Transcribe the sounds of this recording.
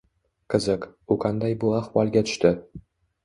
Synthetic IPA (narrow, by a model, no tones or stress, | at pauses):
qʰɨzɘkuqʰɑnd̪ajbʊahwɒlˠɡʲat̪ʰʊ̥ʃt̪ɪ